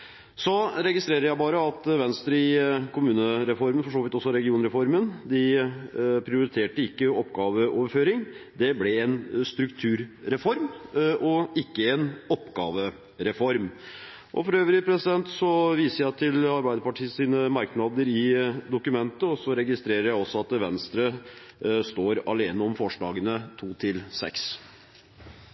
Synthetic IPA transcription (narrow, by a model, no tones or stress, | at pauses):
sɔɾɛɡɪst̪ɾeːɾəɾjæɪbɑːɾəɑt̪ʋɛnst̪ɾəɪkʰʊmʉːnəɾɛfɔɾmənfɔʂoːʋɪt̪ɔsːɔɾɛɡɪuːnɾɛfɔɾmənd̪ɪ | pʰɾɪʊɾɪt̪ʰeːʈəɪkːəɔpːɡɑːʋəʔoːʋəɾføːɾɪŋd̪ɛblɛɛnst̪ɾʉkt̪ʰʉːɾɾɛfɔɾmʔɔɪkːəɛnɔpːɡɑ̰ːʋə | ɾɛfɔɾm | ʔɔ̰fɔɾøːʋəɾəpʰɾɛsɪd̪ɛnt̪sɔʋiːsəjæɪt̪ʰɪlɑɾbæɪd̪əpɑʈʰiːəsiːnəmɑɾknɑːd̪əɾɪd̪ʊkʉmɛnt̪əɔsɔɾɛɡɪst̪ɾeːɾəɾjæɪɔsːɔɑt̪ʋɛnst̪ɾə | st̪oːɾɑleːnəɔmfɔʂɭɑːɡənət̪ʰuːt̪ʰɪlsɛ̰ks